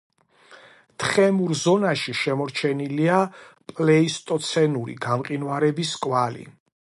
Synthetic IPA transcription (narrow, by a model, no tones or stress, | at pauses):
t̪ʰχɛmuɾzɔnaʃiʃɛmɔɾt͡ʃʰɛniliapʼlɛist̪ʼɔt̪sʰɛnuɾḭɡamqʼinvaɾɛbiskʼwalḭ